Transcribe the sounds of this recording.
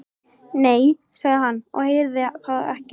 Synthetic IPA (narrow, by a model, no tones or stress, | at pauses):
neːj | saɣðɪɦanːɔ̰ɣhejɾðɪθaðɛ̰hcɪ